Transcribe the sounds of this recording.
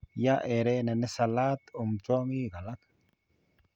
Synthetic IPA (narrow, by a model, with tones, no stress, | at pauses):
ja˦ʔe˨ɾe˦nɛ˨nɛ˦sɐ˨laː˦t̪ʊ˨mt͡ʃoː˦ŋiː˦ɡɐ˨la˦k